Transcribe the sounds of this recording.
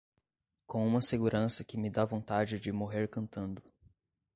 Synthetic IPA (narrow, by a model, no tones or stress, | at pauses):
kõũmɐseɡuɾɐ̃sɐkɪmɪd̪avõnt̪ad͡ʒɪd͡ʒɪmoɦeɾkɐ̃nt̪ɐ̃nd̪ʊ